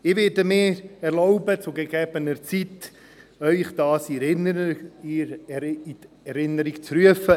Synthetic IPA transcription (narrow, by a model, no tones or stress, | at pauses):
ɪʋɪdəmɪːɛɾlɔʊbət͡sʊɡeɡɛːbənəɾt͡sit | œʏχd̥ɑːsi | iɾi | ɛɾɪnəɾikt͡sɾyəfə